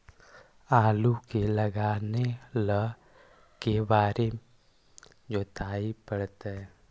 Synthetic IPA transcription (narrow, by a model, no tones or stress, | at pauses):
aːlukeləɡaːnelə | kebaːɾe | d͡ʒoːt̪ʰaːipəɽt̪ɛ